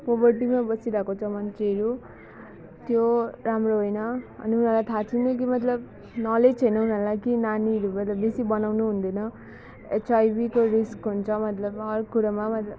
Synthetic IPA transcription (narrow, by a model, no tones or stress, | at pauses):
pobʌrʈimabʌsiɾakot͡sʰʌmʌnt͡seɦɾu | t̪joɾamroɦojnʌ̰ːniunʌlajt̪ʰat͡sʰinʌk̬imʌt̪lʌb | nʌlet͡sʰʌjnʌunʌlajkinaniɾumʌt̪lʌbbesibʌnawnuɦund̪ʌnʌ | et͡sajbikoɾiskɦunt͡sʰʌmʌt̪lʌbʌrkuɾamamʌt̪lʌb